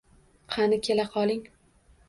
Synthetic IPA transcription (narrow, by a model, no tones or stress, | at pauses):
qʰɑnɪkʲʰelaqʰɒlˠɪŋ